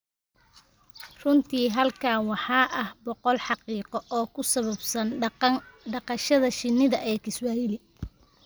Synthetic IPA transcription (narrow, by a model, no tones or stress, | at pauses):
rʊnt̪ʰiːɦɐlkʰaːwɑħɑːʔɐhbɔqɔlħɑqiːqɔʔɔːkʰʊsɐβɐbsɐn | ɖɑqɑʃɐðɐʃɪnːɪðɐʔɛːkʰɪswaːjɪlɪ